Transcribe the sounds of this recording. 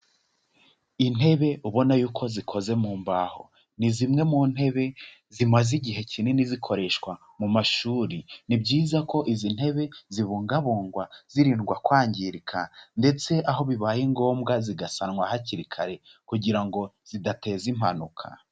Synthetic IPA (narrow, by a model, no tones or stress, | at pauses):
in̥he̞βe̞ʔuβo̞najuːkʰo̞zikʰo̞ze̞muːmbaho̞̰ | nizimŋe̞mun̥he̞βe̞ | zimaziɟiɦe̞cʰinenizikʰo̞ɾe̞ʃkwa | mumaʃuːɾinibɟiːzako̞ʔizin̥he̞βe̞ziβuːŋɡaβuːŋɡwaz̥iɾiːnɡwakwaːɲɟiɾikʰande̞t͡se̞ʔaɦo̞βiβaːjiŋɡo̞ːmɡaziɡasanŋwahaciɾikʰaɾe̞kuɟiɾaŋɡo̞z̥idate̞ːzim̥ha̰nukʰa̰